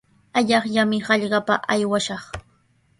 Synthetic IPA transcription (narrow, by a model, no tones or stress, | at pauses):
aʎɑχʎamɪhɑʎɢɑpa̰ʔajwaʃɑχ